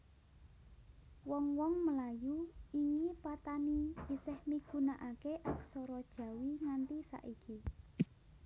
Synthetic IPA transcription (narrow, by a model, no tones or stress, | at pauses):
wɔŋwɔŋməlajuiŋipat̪aniisɪhmiɡ̥ṳnaʔakeʔaksɔɾɔd̥ʒ̥ä̤wiŋant̪isa̰ʔiki